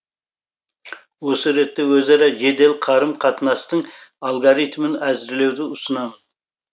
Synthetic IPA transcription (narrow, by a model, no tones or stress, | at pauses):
wo̞səɾe̞t̪ːe̞wɵzɑɾɑʒe̞d̪e̞lqʰɑɾəmqʰɑt̪ənɑst̪əɴalˠɡoɾijt̪mənæzɪɾle̞wd̪ɪʊsənɑmən